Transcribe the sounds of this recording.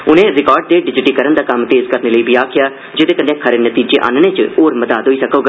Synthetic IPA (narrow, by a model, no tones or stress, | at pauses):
ʊnẽːɾɪkɔːɾɖ̚d̪eːɖɪd͡ʒɪʈiːkəɾənd̪aːkəmt̪eːzkəɾneːləiːbʱiːaːkʰɪjaː | d͡ʒɪd̪eːkə̃nd̪ẽːkʰəɾeːnət̪iːd͡ʒḛːʔa̰ːnneːt͡ʃəoːɾmət̪aːt̪ɦoːiːsəkoːɡa